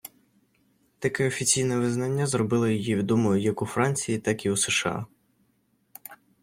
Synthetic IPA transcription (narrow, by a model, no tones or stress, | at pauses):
t̪ɐkɛɔfʲit͡sʲijnɛʋɪznɐnʲːazrɔbɪlˠɐjɔjiʋʲid̪ɔmɔjʊjɐkʊfɾɑnʲt͡sʲijit̪ɑkiuseʃɑ̰